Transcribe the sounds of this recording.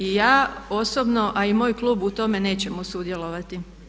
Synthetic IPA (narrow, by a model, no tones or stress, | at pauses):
ijaːo̞sobno̞ʔaimo̞ːjklˠuːbut̪o̞me̞ne̞ːt͡ɕe̞mosud̪je̞lˠo̞ʋat̪i